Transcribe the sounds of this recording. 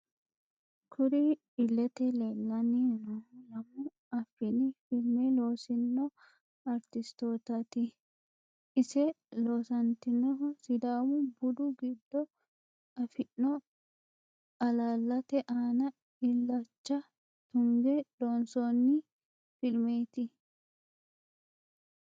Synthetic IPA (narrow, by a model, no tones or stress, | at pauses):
kʰʊɾɪ | ɪlːɛt̪ɛlelːɐninɔlɐmʊ | ɐfːɪnɪfɪlmɛloːsɪnːɔ | ɐɾt̪ɪst̪oːt̪ɐt̪ɪ | ɪsɛ | loːsɐnt̪ɪnːɔɔsɪd̪aːwʊbʊd̪ʊɡɪd̪ːɔ | ɐfɪnːɔ | ɐlaːlːɐt̪ɛʔaːnɐ | ɪlːɐt͡ʃːɐ | t̪ʊŋɡɛloːnsonːɪ | fɪlmeːt̪ɪ